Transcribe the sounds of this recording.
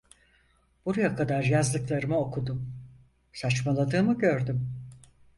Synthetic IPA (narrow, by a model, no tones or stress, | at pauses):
b̥uɾajakʰad̪aɾjazlˠɯklˠaɾɯmaokʰud̪um | sat͡ʃmalˠad̪ɯːmɯɟøɾd̪ym